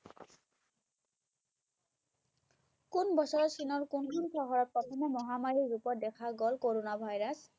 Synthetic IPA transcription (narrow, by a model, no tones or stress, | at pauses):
kunbɔsɔɹɔsinɔɹkunkunsɔɦɔɹɔt̚pɔtʰɔmɔmɔɦamaɹiɹupɔɹ̚dɛkʰaɡɔlkoɹonabʱajɹas